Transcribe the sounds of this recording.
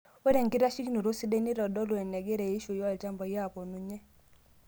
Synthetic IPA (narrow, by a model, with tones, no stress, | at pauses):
we˦ɾe˨ŋkɪ˦ɾa˦ʃi˦kno˨ɾo˦si˦de˦ni˦ɾɔ˨dɔ˦lwɛ˨nɛ˨ɡe˦ɾe˨i˦ʃo˨jɔ˦˨lt͡ʃa˦mbɔ˨ja˦˨pɔ˨nu˨ɲe˦